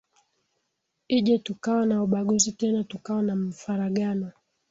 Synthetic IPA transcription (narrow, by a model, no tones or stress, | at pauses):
iʄɛtukawanauɓaɠuzitɛnatukawanam̩faɾaɠanɔ